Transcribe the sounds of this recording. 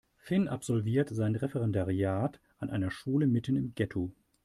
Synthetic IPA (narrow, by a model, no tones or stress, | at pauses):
fɪnʔapz̥ɔlviːɐtz̥aɪnʁɛfɛʁɛndaʁiaːt | ʔanʔaɪnɐʃuːləmɪtənɪmɡɛtʰo